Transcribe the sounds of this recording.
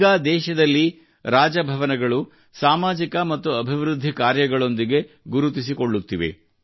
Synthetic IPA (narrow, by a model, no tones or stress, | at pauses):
ɡaːd̪ɛːʃɐd̪ɐlːi | ɾaːd͡ʒɐbʱɐʋɐnɐɡɐɭu | saːmaːd͡ʒikɐmɐt̪ːuɐbʱiʋɾud̪ʱːikaːɾjɐɡɐɭo̞nd̪iɡe̞ | ɡuɾut̪̬is̬iko̞ɭːut̪ːiʋe̞̰